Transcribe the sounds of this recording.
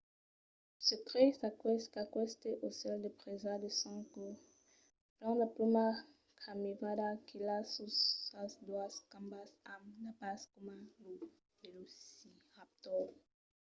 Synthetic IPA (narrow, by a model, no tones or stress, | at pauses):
sekʁesakwɛskakwɛst̪eʔosɛldepʁezadesɔ̃ŋko | plɑ̃lapluma | kʰamivadakʰilasuasdwaskãmbasamnapaskumalu | belusiap̚t̪ɔ